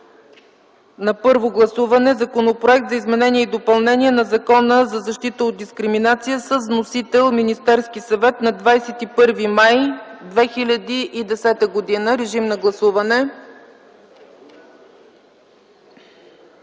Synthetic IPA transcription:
nɐpɤɾvoɡlˠɐsuvɐnɛzɐkonopɾoɛk̚t̪zɐizmɛnɛniɛid̪opɐlˠnɛniɛnɐzɐkɔnəzɐzɐʃt̪it̪əod̪̚d̪iskɾiminat̪sijəsəzvnosit̪ɛlˠminist̪ɛɾsk̟isɐvɛt̪nɐd̪vajsɛt̪ipɤɾvimajd̪vɛxilʲəd̪iʔid̪ɛsɛt̪əɡod̪inəɾɛʒimnɐɡlˠɐsuvɐnɛ

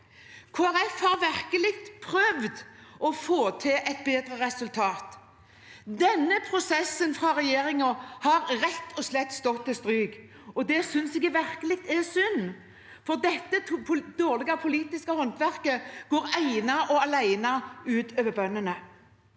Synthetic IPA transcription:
kʰoːæɾɛfhɑʁʋæʁkəlɪɡt̪pʰɾœʋd̪ʔɔfoːt̪ʰɪʔɛt̪̚beːd̪ɾəʁɛsʉlt̪ʰɑːt̪ | d̪ɛnːəpʰɾʊsɛsːənfʁɑɾɛjeːʁɪŋɔhɑɾɾɛt̪ʰːɔslɛt̪ːst̪ɔt̪ːɪst̪ɾyːɡ | ɔd̪ɛsʏnsɛɡəʋæʁkəlɪk̚t̪ɛsʏnː | fɔʁd̪ɛt̪ːəpʰd̪oːʁlɪɡɑpʰʊliːt̪ɪskəhɔnt̪ʋæʁkəɡ̥oːɾæɪnɑʔɔɑlæɪnɑʉːt̪øːʋəbœnːənə

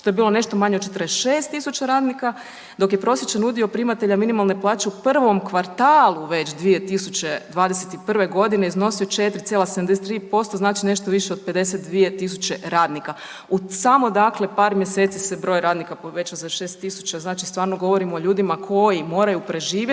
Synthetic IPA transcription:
ʃt̪oe̞biːlˠo̞ne̞ʃt̪o̞maɲed̪t͡ʃet̪əɾesʃeːst̪ːisut͡ɕaɾaːd̪nika | d̪o̞kjepɾo̞sjet͡ɕanud̪iopɾimat̪e̞ʎaminimalˠne̞plˠaːt͡ʃe̞upr̩ʋo̞mkʋaɾt̪aːlˠuʋe̞t͡ɕd̪ʋije̞t̪isut͡ɕe̞d̪ʋaːd̪eset̪ipr̩ʋe̞ɡo̞d̪ine̞izno̞sijot͡ʃe̞t̪ɾit̪sjelased̪amd̪eset̪ɾiːpo̞st̪oznaːt͡ʃine̞ʃt̪o̞ʋiʃeo̞d̪̚pe̞d̪e̞set̪̚d̪ʋije̞t̪is̬ut͡ɕe̞ɾaːd̪nika | usamo̞d̪akle̞paːɾmje̞set̪sisebɾo̞ːjɾaːd̪nikapoʋe̞t͡ʃosaʃe̞ːst̪ːisu̥t͡ɕaznaːt͡ʃist̪ʋaːɾnoɡo̞ʋo̞ɾimoːʎuːd̪imakʰo̞jimo̞ːɾajupɾe̞ʒiːʋje

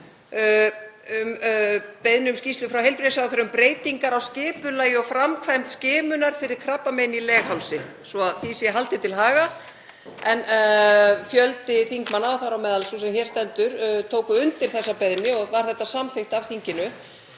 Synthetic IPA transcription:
ʏmpeðnɪʏmscist̪lʏfɾawɦejlpɾisjawθœɾʏmpɾeːjt̪iŋkaɾawscɪːpʏlaːjɪɔɣfɾamkʰvajmt̪scɪːmʏnaɾ̥fɪɾɪɾ̥kʰɾapːamejnilɛːɣhawlsɪ | svɔaðθisjɛɦalt̪ɪt̪ʰɪlɦaːɣa | ɛn | fjœlt̪ɪθiŋkmanːawθaɾawmɛːðalsɔsɛmçɛɾst̪ɛnt̪ʏɾt̪ʰoːwkʏʏnt̪ɪɾ̥θɛsːapɛðnɪɔɣvaɾ̥θɛht̪ːasamθext̪avθiɲcɪnʏ

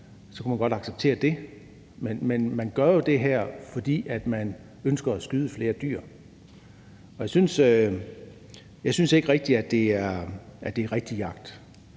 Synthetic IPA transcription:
sɒ̽kʰæmænɡ̥ɒ̽ɾ̥ɑ̈ɡ̥seb̥̚t͡sʰe̝̰ːɐd̥e̝ | menmenmænɡ̥ɶɐjo̝d̥e̝ɦæɐ̰fɒ̽d̥ḭːæd̥mæn | ønsɡ̥ɐæsɡ̥yːð̞ˠəfle̝ːɐd̥y̰ːɐ̰ | ɒ̽jɑ̈ɪsynsø | jɑ̈ɪsynse̝ɡ̥əʁɛɡ̥̚d̥iæd̥e̝æɐʔæd̥e̝æɐʁɛɡ̥̚d̥ijɑ̈ɡ̥̚d̥

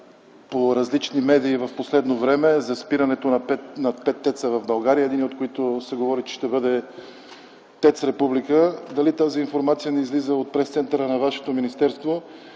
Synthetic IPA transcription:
poɾɐzlit͡ʃnimɛd̪iːvɐfposlɛd̪novɾɛmɛzɐspiɾɐnɛt̪onɐpɛtnɐpɛt̪ːɛt̪səvɐvbɐlˠɡaɾijəɛd̪iniot̪koit̪osɛɡovɔɾit͡ʃɛ̥ʃt̪ɛbɤd̪ɛ | t̪ɛt̪sɾɛpublikəd̪ɐlit̪aziːnfoɾmat̪sijənɛizlizəot̪̚pɾɛst̪sɛnt̪əɾənɐvaʃɛ̥t̪ominist̪ɛɾst̪vo

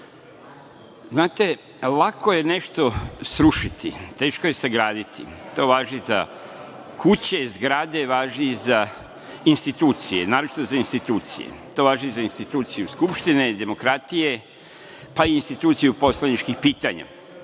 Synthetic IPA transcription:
znaːt̪e̞ | lakoje̞ne̞ʃt̪o̞sɾuʃit̪ḭt̪e̞ːʃkoje̞seɡɾaːd̪it̪ḭt̪o̞ːʋaːʒiza̰ | kut͡ɕe̞zɡɾaːd̪e̞ʋaːʒiza | inst̪it̪uːt̪sijenaːɾot͡ʃi̥t̪ozainst̪it̪uːt̪sḭjḛt̪o̞ːʋaːʒizainst̪it̪uːt̪sijuskupʃt̪ined̪e̞mo̞kɾat̪ije̞ | paiːnst̪it̪uːt̪sijupo̞slanit͡ʃkixpiːt̪aɲa̰

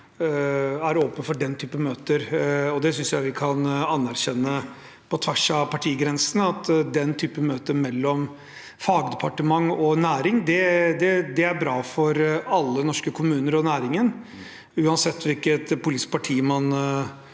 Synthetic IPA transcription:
æɾoːpənfɔɖɛnt̪ʰyːpəmøːt̪əɾɔd̪ɛsʏnsjæɪʋɪkʰɑnɑnːæɾɕɛnːə | pʰɔt̪ʰʋæʂɑʋpɑʈʰiːɡɾɛnsnəɑt̪d̪ɛnt̪ʰyːpəmøːt̪əmɛlːɔm | fɑːɡd̪ɛpʰɑʈəmɑŋːɔnæːɾɪŋd̪ɛd̪ɛd̪ɛæɾbɾɑːfɔɾɑlːənɔʂkəkʰʊmʉːnəɾɔnæːɾɪŋən | ʉːɑnsɛt̪ːʋɪlkət̪pʰʊlɪspʰɑʈʰiːmɑn

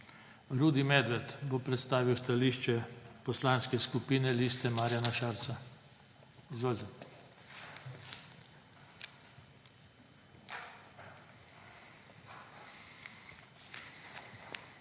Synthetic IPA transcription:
ɾuːd̪imɛd̪ʋɛt̪bopɾɛt̪st̪aːʋiwst̪aliʃt͡ʃɛpɔslaːnskɛskupiːnɛliːst̪ɛmaːɾjanaʃaːɾt̪sa | izʋolʲza

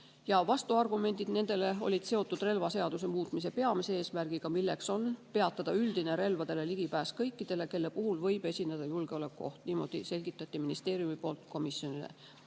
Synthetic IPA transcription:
jɑvɑst̪uɑrɡume̞nʲd̪̥id̪ne̞nd̪̥e̞le̞o̞̰lʲid̪̥se̞o̞t̪ːˑud̪̥re̞lvɑse̞ɑd̪̥us̬e̞muːt̪ˑmise̞pe̞ɑmise̞eːsmærɡ̥ikɑmilːe̞kso̞npe̞ɑt̪ːˑɑd̪̥ɑyld̪̥ine̞ɾe̞lvɑd̪̥e̞le̞liɡ̥ipæːskɤjkːid̪̥e̞le̞ke̞lːe̞puɦulvɤjb̥e̞sʲinːed̪̥ɑjulɡ̥e̞o̞le̞kːuo̞̰ht̪niːmo̞̰d̪̥ḭse̞lʲɡit̪ːˑɑt̪ːˑiminist̪e̞ːɾijumipo̞ːlt̪ko̞misjo̞nilḛ

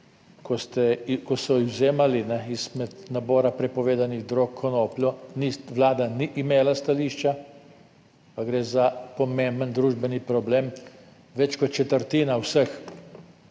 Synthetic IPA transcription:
kɔst̪ɛkɔsɔizwzeːmalinɛiz̥mɛt̪nabɔːɾapɾɛpɔʋeːd̪aniɣd̪ɾokʰːɔnoːpljɔniʋlaːd̪aniʔimeːlast̪aliːʃt͡ʃa | paɡɾeːzapɔmẽmbənd̪ɾuːʒbɛnipɾɔbleːm | ʋɛt͡ʃkɔt̪̚t͡ʃɛt̪əɾt̪iːnawsəx

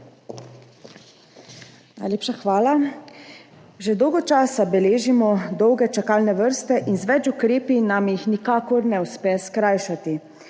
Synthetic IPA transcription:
najleːpʃaxʋaːla | ʒɛd̪ɔwɡɔt͡ʃaːsabɛleːʒimɔd̪ɔwɡɛt͡ʃakaːlnɛʋəɾst̪ɛʔinzʋɛt͡ʃukɾeːpinamjixnikaːkɔɾnɛuspɛskɾaːjʃat̪i

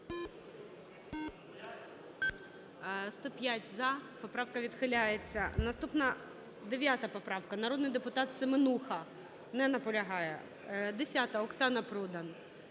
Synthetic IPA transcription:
st̪ɔpʲjatʲzɐpɔpɾɑwkɐʋʲid̪xɪlʲajet͡sʲːɐnɐst̪upnɐ | d̪eʋʲjat̪ɐpɔpɾɑwkɐnɐɾɔd̪nɪjd̪epʊt̪ɑt̪semɪnuxɐ | nɛnɐpɔlʲɐɦɑjɛ̰ | d̪esʲat̪ɐɔksɑnɐpɾud̪ɐn

